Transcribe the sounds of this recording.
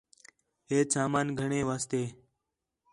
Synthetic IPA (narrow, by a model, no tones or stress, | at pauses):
ɦeːsaːmaːnɡʱəɳẽːʋaːst̪eː